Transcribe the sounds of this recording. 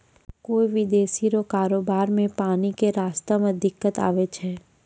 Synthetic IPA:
koːiʋɪd̪eːʃiɾokaːɾoːbaːɾmẽpaːnikeɾaːst̪amẽd̪ɪkːət̪a̰ːʋet͡ʃʰɦɛː

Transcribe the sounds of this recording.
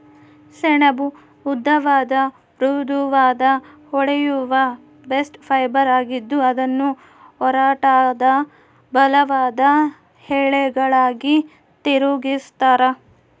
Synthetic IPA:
seɳɐbuː | d̪ʱːɐʋaːd̪ɐ | ɾuːd̪uʋaːd̪ɐ | hɔɽɛjuʋɐ | besʈpʰɐjbɐɾaːɡid̪ːuɐd̪ɐnːu | hɔɾaːʈad̪ɐ | bɐlɐʋaːd̪ɐ | hɛːɭɛɡɐɭaːɡi | t̪iɾuɡist̪aːɾɐ

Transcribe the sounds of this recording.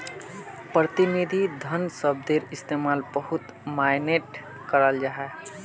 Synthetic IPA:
pɾət̪inid̪ʱid̪ʱənsəb̚d̪eɾɪst̪emalbəɦut̪ | maɪneʈ | kəɾəld͡ʒaɦɛ

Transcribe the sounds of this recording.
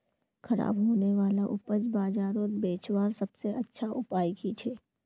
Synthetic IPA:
kʰɐɾa̰ːbɦoːneʋaːlaʔʊpəd͡ʒbaːd͡ʒaːɾõːt̪beːt͡ʃwaːɾsɐbseʔɐtːʃʰaʔʊpaːjkit͡ʃʰeː

